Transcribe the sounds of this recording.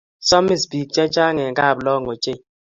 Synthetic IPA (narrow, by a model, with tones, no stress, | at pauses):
sɔ˦mi˦sbi˨k̚t͡ʃɛ˦t͡ʃa˦ŋɛ˨ŋka˦˨blɔ˦˨ŋo˨t͡ʃe˦˨